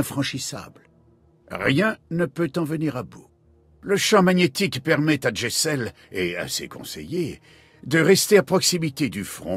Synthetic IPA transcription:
ɛ̃fχɑ̃ʃisa̰blə | ʁjɛ̃nəpøt̪ɑ̃vəniʁabu | ləʃɑ̃maɲet̪ikpɛʁmɛt̪aʒesɛl | ea̰sḛkɔ̰̃sḛje | d̪əʁɛst̪eapχɔksimit̪ed̪yfχɔ̃

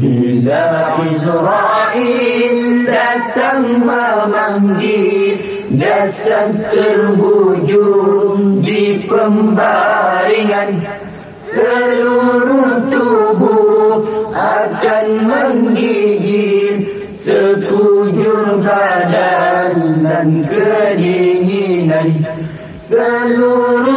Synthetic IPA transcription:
bi | laʔizɾaʔildat̪aŋbamaŋɡi | d͡ʒasant̪əɾbud͡ʒuɾuŋdikəmbaɾiŋan | səluɾut̪ubu | akanməŋɡid͡ʒi | səkud͡ʒuɾbadandankədiɲinan | səluɾ

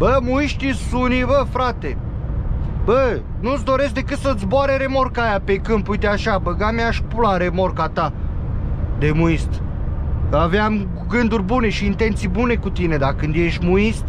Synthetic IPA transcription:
bəmuiʃt̪isunivəfɾat̪e̞ | bə | nut̪s̬d̪o̞ɾe̞sk̚d̪e̞kɨt̪sət̪s̬ʲboaɾeɾe̞mo̞rkajapekɨmpujt̪eaʃabəɡamaʃpulaɾe̞mo̞rkat̪a | d̪e̞muist̪ | aveam | ɡɨnd̪urʲbune̞ʃiːnt̪e̞nt̪sijbune̞kut̪ine̞d̪akɨnd̪je̞ʃt̪ʲmuist̪

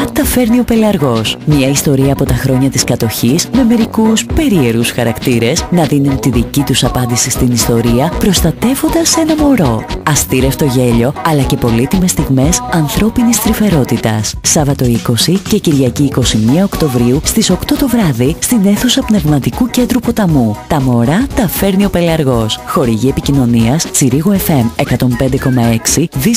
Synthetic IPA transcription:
t̪ɐfe̞ɾnio̞pe̞lɐɾɣo̞smɲɐist̪o̞ɾiɐːpo̞t̪ɐxɾo̞ɲɐt̪iskɐt̪o̞çisme̞me̞ɾikuspe̞ɾie̞ɾusxɐɾɐkt̪iɾe̞snɐðinunt̪iðicit̪usɐpɐnd̪isist̪inist̪o̞ɾiɐpɾo̞st̪ɐt̪e̞vo̞nd̪ɐse̞nɐmo̞ɾo̞ɐst̪iɾe̞ft̪o̞ʝe̞ʎo̞ɐlɐce̞po̞lit̪ime̞st̪iɣme̞sɐnθɾo̞pinist̪ɾife̞ɾo̞t̪it̪ɐ̰ssɐvɐt̪o̞iko̞sice̞ciɾʝɐciːko̞simiɐokt̪o̞vɾiust̪iso̞kt̪o̞t̪o̞vɾɐðist̪ine̞θusɐpne̞vmɐt̪ikuce̞nd̪ɾupo̞t̪ɐmut̪ɐmo̞ɾɐt̪ɐfe̞ɾnio̞pe̞liɐɾɣo̞sxo̞ɾiʝie̞picino̞niɐst͡siɾiɣoe̞fe̞me̞kɐt̪o̞mpe̞nd̪e̞ko̞mɐe̞ksiði

